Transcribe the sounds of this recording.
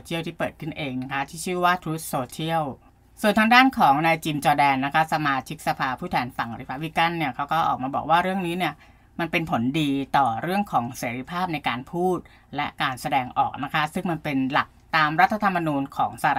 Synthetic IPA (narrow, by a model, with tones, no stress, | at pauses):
t͡ɕʰi˥˩əwt̪ʰiː˥˩pɤː˨˩t̪̚kʰɯ˥˩nʔeː˧ŋna˦˥kʰa˦˥t̪ʰiː˥˩t͡ɕʰɯː˥˩waː˥˩t̪ʰɾuː˦˥t̪̚soː˧t͡ɕʰi˥˩əw | su˨˩ənt̪ʰa˦˥ŋdaː˥˩nkʰɔː˩˦ŋnaː˧jt͡ɕiː˧mt͡ɕɔː˧dɛː˧nːa˦˥kʰa˦˥sa˧maː˧t͡ɕʰi˦˥k̚sa˧pʰaː˧pʰuː˥˩t̪ʰɛː˧nfa˨˩ŋɾi˧˩pʰa˦˥p̚li˦˥ka˥˩nːi˥˩ɐkʰa˦˥wkɔː˥˩ʔɔ̰ː˨˩k̚maː˧bɔ̰ː˨˩k̚waː˥˩ɾɯ˥˩əŋniː˦˥ni˥˩ɐ | ma˧npe˧npʰo˩˦ndiː˧t̪ɔː˨˩ɾɯ˥˩əŋkʰɔː˩˦ŋseː˩˦ɾi˧pʰaː˥˩p̚na˧jkaː˧npʰuː˥˩t̪̚ | lɛ˦˥kaː˧nsa˧dɛː˧ŋʔɔ̰ː˨˩k̚na˦˥kʰa˦˥sɯ˥˩ŋma˧npe˧nla˨˩k̚t̪aː˧mɾa˦˥t̪ʰːa˧t̪ʰa˧mːa˧nuː˧nkʰɔː˩˦ŋsa˧˨˩